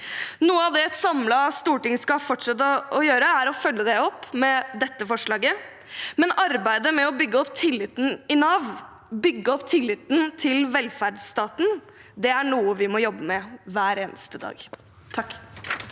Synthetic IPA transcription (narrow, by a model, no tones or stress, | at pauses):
nuːəɑʋd̪ɛɛt̪sɑmlɑst̪uːʈɪŋskɑfɔʈʂɑɛt̪ːɔɔjøːɾəæɾɔfœlːəd̪ɛɔpːmɛd̪ɛt̪ːəfɔʂɭɑːɡə | mɛnɑɾbæɪd̪əmɛɔbʏɡːəɔpt̪ʰɪlːɪt̪ːn̩ɪnɑːʋ | bʏɡːəɔpt̪ʰɪlːɪt̪n̩t̪ʰɪlʋɛlfæɖsst̪ɑːt̪n̩ | d̪ɛæɳuːəʋɪmɔjɔbːəmɛʋæːɾeːnə̰st̪əd̪ɑ̰ːɡ | t̪ʰɑkː